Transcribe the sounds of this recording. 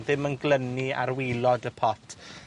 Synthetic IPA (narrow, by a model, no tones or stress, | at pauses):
ðɪmənɡlənia̰ɾwilˠɔdəpʰɔtʰ